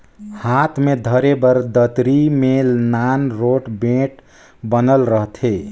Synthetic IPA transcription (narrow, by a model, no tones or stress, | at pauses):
hat̪ʰmed̪ʱəɾebəɾd̪ət̪ɾimenanɾoʈbẽʈ | bənəlɾəɦt̪ʰe